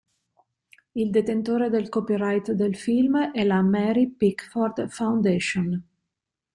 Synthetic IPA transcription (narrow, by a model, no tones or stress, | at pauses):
ild̪et̪ent̪oːɾed̪elkɔpiɾajt̪d̪elfilmɛlamɛɾipikford̪fawnd̪eʃon